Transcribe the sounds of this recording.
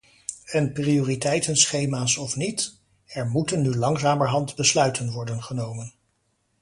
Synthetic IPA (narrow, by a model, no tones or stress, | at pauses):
ɛnprioːritɛjtənsχejmaːsɔfnit | ɛɹmutənːylɑŋzaːməɹɦɑntbəslœɥtʰənʋɔɹdənχənowmən